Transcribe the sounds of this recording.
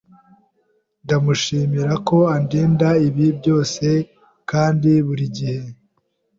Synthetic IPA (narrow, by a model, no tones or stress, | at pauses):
ndamuʃiːmiɾako̞andiːndaiβib̚ɟo̞ːse̞ | kaːndiβuɾiɟihe̞